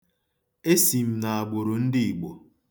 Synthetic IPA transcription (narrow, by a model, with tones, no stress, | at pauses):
e˦si˨m̩˦na˨a˨ɡ͡bo˨ɾo˨n̩˦dɪ˦i˨ɡ͡bo˨